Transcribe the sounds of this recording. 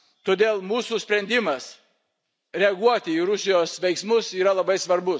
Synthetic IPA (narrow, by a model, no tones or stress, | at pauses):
t̪oːd̪ʲeːlˠmuːsusʲpʲɾʲɛnʲd̪ʲɪmɐs | ɾʲɛɐɡuɔt̪ʲɪiːɾʊsʲɪjoːsʋʲɛɪksmʊsiːɾɐlˠɐbɐɪsʋɐɾbʊ